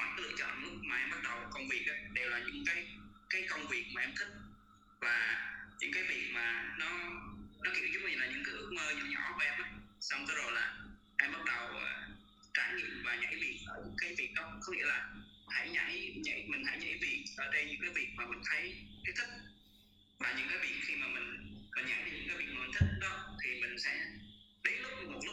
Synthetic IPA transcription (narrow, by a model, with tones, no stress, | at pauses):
kɔ˧˩ja˨˦lɨ̰˧˨t͡ɕɔ̰˧˨nlʊ˦˥k̚maː˨˩ʔɛ˧mɓa˦˥t̚ɗə˨˩wkə˧wŋ͡mvi˨˩ək̚ʔaː˨˦ɗe˨˩wlaː˨˩ɲɨ̰˧˥ŋkaː˨˦jkaː˨˦jkə˧wŋ͡mvi˨˩ək̚maː˨ʔɛ˧mt̪ʰï˦˥k̚ | vaː˨˩ɲɨ̰˧˥ŋkaː˨˦jvi˨˩ək̚maː˨˩nɔ˨˦nɔ˨˦kḭ˧˨wzʊ˦˥k͡p̚ɲi˧˩laː˨˩ɲɨ̰˧˥ŋkɨ˧˦ʔ̚məː˧ɲɨ̰˧˨ɲɔ̰˧˩˥ku˧˦ʔɛ˧mʔa˨˦jsa˧wŋ͡mtːzo˨˩jlaː˨˩ | ʔɛ˧mɓa˦˥t̚ɗə˨˩wʔəː˨˩ | t͡ɕaː˧˩ɲḭ˧˨ənvaː˨˩ɲa̰˧˥jvi˨˩ət̚ʔəː˧˩ɲɨ̰˧˥ŋkaː˨˦jvi˨˩k̚ɗə˨˦wkɔ˨˦ŋ͡mŋḭ˧˥əlaː˨˩ | ha̰˧˩jɲa̰˧˥jɲa̰˧˩jmï˨˩ŋ̟ha̰˧˥jɲa̰˧˥jvi˨˩ət̚ʔəː˧˩t͡ɕe˧nɲɨ̰˧˥ŋkaː˨˦jvi˨˩ət̚maː˨˩mï˨˩ŋ̟t̪ʰə˨˦jk̪ʰa˨˦jt̪ʰï˦˥k̚ | vaː˨˩ɲɨ̰˧˥ŋkaː˨˦jvi˨˩ət̚xi˧maː˨˩mï˨˩ŋ̟kɔ˨˩ɲa̰˧˥jt͡ɕa˧ɲɨ̰˧˥ŋkaː˨˦jvi˨˩k̚mː˨˩˨t̪ʰi˦˥ɗɔ˨˦t̪ʰi˨˩mï˨˩ŋ̟sɛ̰˧˥ɗe˨˦nlʊ˦˥k͡p̚mo˨˩t̚lʊ˦˥